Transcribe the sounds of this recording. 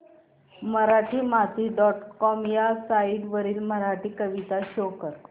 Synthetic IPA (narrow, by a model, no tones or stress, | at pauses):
məɾaʈʰiːmat̪iːɖɔʈkɔmjasaiʈʋəɾiːlməɾaʈʰiːkəʋit̪aɕokəɾ